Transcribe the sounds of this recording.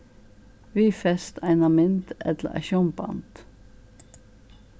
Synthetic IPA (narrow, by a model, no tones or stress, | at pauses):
ʋiːfɛst̪ʰæɪnɑmɪnt̪ɛ̰t̪lə̰ʔæ̰ʃɔmbɑ̰nt̪